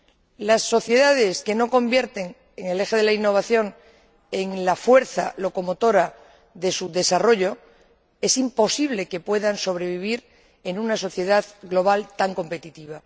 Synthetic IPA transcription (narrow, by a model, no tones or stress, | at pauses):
lasːo̞θje̞ðað̞e̞ske̞no̞ko̞mbje̞ɾt̪e̞ŋ | eŋe̞le̞xe̞ðe̞lainːo̞β̞aθjo̞ŋ | e̞ŋlafwe̞ɾθa̰lo̞ko̞mo̞t̪o̞ɾa | ðe̞suðe̞saro̞ʎo̞ | e̞simpo̞siβ̞le̞ke̞pwe̞ðanso̞β̞ɾe̞βiβ̞iɾ | e̞nunaso̞θje̞ðaðɡlo̞β̞alt̪aŋko̞mpe̞t̪it̪iβ̞a